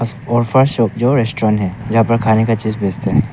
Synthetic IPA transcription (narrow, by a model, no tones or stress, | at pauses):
ɔːɾfəɾʃɔːpd͡ʒoːɾeːsʈɾɔ̃ːnɦɛːd͡ʒɐɦãpɐɾkʰaːnekat͡ʃiːzbeːst̪aɦɛ